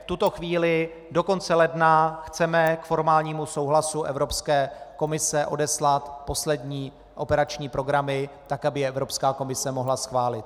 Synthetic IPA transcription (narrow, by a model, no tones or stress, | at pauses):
ft̪ut̪o̞xviːlɪ | do̞ko̞nt͡sɛlɛdnaxt͡sɛmɛkfo̞ɾmaːlɲiːmuso̞wɦlasuʔɛvɾo̞pskɛːko̞mɪsɛʔo̞dɛslat̪po̞slɛdɲiː | ʔo̞pɛɾat͡ʃɲiːpɾo̞ɡɾamɪt̪akabɪjɛɛvɾo̞pskaːko̞mɪsɛmo̞ɦlasxvaːlɪt̪̚